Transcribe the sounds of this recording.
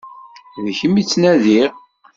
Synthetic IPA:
ðçəmːit͡sːnæðiʁ

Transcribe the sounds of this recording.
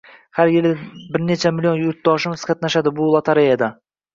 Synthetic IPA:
haɾjɪlɪbɪɾne̞t͡ʃʰamɪlʲijo̞njʊɾt̪̚d̪ɒʃɪmʊz̥kʲʰat̪̚naʃad̪ɪbʊlˠat̪ʰaɾejad̪a

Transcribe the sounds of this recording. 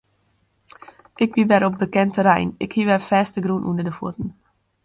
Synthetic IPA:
ʔɪkʋiʋɛɾɔp̚bəkɛntəɾɛ̰jnɪkhiʋɛrfɛːstəɡrunʔṵndədəfṵtən̩

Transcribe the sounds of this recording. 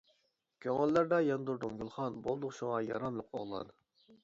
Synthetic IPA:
kʲʰøŋælːæɾd̪ɑjɑnd̪uɾd̪uŋɡʲylˠχɑnbolˠd̪ʊqʃuŋɑjɑ̰ɾɑmlˠəqo̰ʁlˠɑ̰d̪ɨ

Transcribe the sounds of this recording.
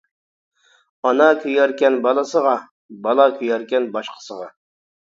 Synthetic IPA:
ɑnɑkʲʰøjɛɾkʲɛnbɑlˠəsəʁɑ | bɑlˠɑkʲʰøjɛɾkʲɛnbɑʃqʰə̥səʁɑ

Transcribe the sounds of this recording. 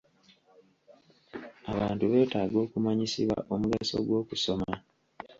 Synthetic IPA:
aβaːntuβe̞ːtaːɡo̞ːkumaɲisiβwa̰ʔo̞muɡaso̞̰ɡwo̞ːkuso̞ma

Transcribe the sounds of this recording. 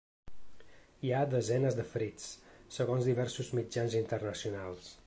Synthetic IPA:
iad̪əzɛnəzd̪əfɾit͡ssəɣonzðiβɛɾsuzmid͡ʒanzint̪ərnəsiunalˠs

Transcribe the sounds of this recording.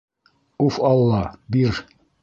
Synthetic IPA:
ufɑlˠːɑbiɾ

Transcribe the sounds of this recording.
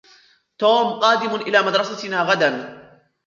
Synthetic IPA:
t̪oːmqɑːd̪ɪmʊʔɪlaːmad̪ɾˤɑsat̪naːɣad̪an

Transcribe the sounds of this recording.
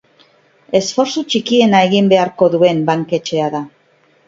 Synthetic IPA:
e̞sfo̞ɾsut͡ʃikie̞nae̞ɣ̞imbe̞aɾko̞ðue̞mbaŋke̞t͡ʃe̞aða

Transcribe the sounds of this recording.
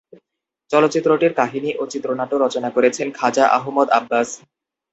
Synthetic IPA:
t͡ɕɔlot̪ːɕit̪ːɾoʈiɾkaɦiniʔot͡ɕit̪ːɾonaʈoɾɔt͡ɕonakoɾet͡ɕʰenkʰad͡ʑaʔa̰ɦomod̪a̰bːas

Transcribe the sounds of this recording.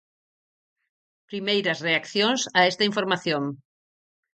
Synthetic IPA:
pɾimejɾɐsreakθjoŋsaɛst̪ɐiɱfoɾmaθjoŋ

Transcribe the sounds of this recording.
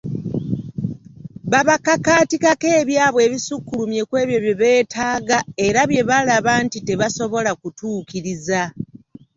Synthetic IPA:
βaβakakaːtikake̞ːβjaːβwe̞ːβisukːulumje̞kwe̞ːβjo̞βjeβe̞ːtʰaːɡae̞ɾaβje̞βalaβantite̞βaso̞βo̞lakutuːkiɾiza

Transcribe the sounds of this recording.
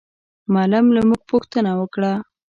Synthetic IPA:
malamlamuɡ̚poxt̪ənawəkɽa

